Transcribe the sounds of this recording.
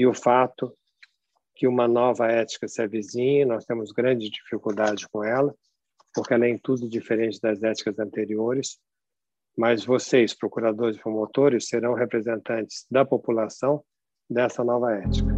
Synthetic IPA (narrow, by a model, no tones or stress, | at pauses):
ɪʊfat̪ʊ | kɪũmɐnɔvɐɛt͡ʃi̥kɐsɪɛvizĩɲɐnɔst̪ẽmʊzɡɾɐ̃d͡ʒɪd͡ʒifikuwd̪ad͡ʒɪkõɛlɐ | poɾkɪɛlẽj̃t̪ud̪ʊd͡ʒifeɾẽnt͡ʃɪd̪ɐzɛt͡ʃi̥kɐzɐ̃nt̪eɾioɾɪs | mɐzvosejspɾokuɾad̪oɾɪzpɾõmot̪oɾɪsːeɾɐ̃w̃ɦepɾezẽnt̪ɐ̃nt͡ʃɪ̥z̥d̪ɐpopulasɐ̃w̃ | d̪ɛsɐnɔvɐɛt͡ʃi̥kɐ